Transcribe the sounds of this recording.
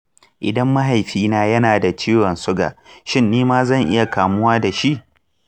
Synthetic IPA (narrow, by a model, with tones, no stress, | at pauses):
ʔɪ˨dɐ˦mːɐ˦ɦa˨jɸiː˦naː˦jɐ˦naː˨da˨t͡ʃiː˦wɔ˨nsʊ˦ɡa̰ː˨ʃɪ˦˨nːiː˦maː˦zɐ˦˨ŋʔɪ˦ja˨kaː˨mʊ˦waː˦da˨ʃi˦ʔ